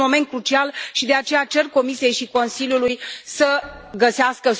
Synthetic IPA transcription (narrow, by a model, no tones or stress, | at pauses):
mo̞me̞nt̪̚kɾut͡ʃialʃid̪e̞at͡ʃe̞jat͡ʃe̞rko̞misije̞jʃiko̞nsiljulujsəɡəseaskə